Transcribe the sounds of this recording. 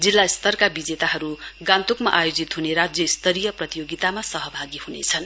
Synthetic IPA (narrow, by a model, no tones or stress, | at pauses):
d͡zilːaist̪ʌrkabid͡zet̪aɦʌɾuɡãnt̪ukmaʔajod͡zit̪ɦuneɾad͡zjʌist̪ʌɾijʌprʌt̪ijoɡit̪amasʌɦʌbʱaɡihunḛt͡sʰʌn